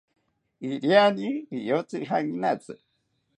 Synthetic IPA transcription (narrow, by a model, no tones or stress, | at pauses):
iɾjaniijot͡sɨɦaŋinat͡sɨ